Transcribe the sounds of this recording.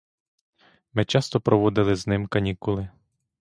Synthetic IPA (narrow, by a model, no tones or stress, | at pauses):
mɪt͡ʃɑst̪ɔpɾʔɔʋɔd̪ɪlˠɪznɪmkɐnʲikʊlˠɪ